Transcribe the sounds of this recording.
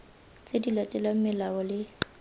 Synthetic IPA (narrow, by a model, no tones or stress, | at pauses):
t͡sʼedilatʼɛlam̩mɪlaɔlɪ